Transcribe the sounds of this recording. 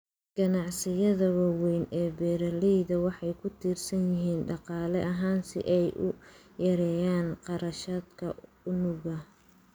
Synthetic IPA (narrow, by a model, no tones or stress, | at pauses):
ɡ̥ɐnɑʕsɪjɐðɐwɑːwɛjnɛːbɛːɾɐliðɐwɑħɑjkʰʊt̪ʰiːrsɐnjɪɦiːnɖɑqɑːlɛʔɐɦaːnsɪ̰ʔɛjʔʊ̰ | jɐɾɛːjaːnqɑɾɐʃaːd̪kʰɐ | ʊnʊɣɐ